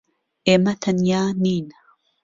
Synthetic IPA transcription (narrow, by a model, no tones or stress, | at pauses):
ʔemat̪ʰɐnjaːniːna